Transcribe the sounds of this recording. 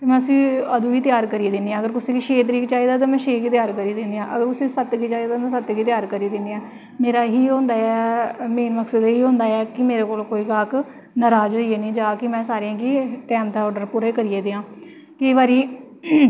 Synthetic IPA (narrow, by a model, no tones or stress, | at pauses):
t̪eːmɛ̃ːəsĩːəd̪ũːiːt̪ɪjaːɾkəɾiːd̪end̪iːãːəɡəɾkʊsẽːkiːʃeːt̪əɾiːkt͡ʃaːiːd̪aːt̪̬aːmɛ̃ːʃeːkiːt̪jaːɾkəɾiːd̪end̪ijãːʔəɡəɾʊsĩːsət̪ɡiːt͡ʃaːiːat̪anãsət̪ːɡiːt̪ɪjaːɾkəɾiːd̪ɪnd̪iãː | meːɾaːɦiːɦõːnd̪aːɛːmeːnməksəd̪ɦiːɦõːnd̪aːɛːkɪmeːɾeːkoːlkoːiːɡaːk | naɾaːd͡ʒɦːieːnĩːd͡ʒaːkɪmɛ̃ːsaːɾɪãːkiːʈɛːmd̪aːɔːɖəɾpuːɾaːiːkəɾiːeːd̪eːãː | kəiːbaːɾiː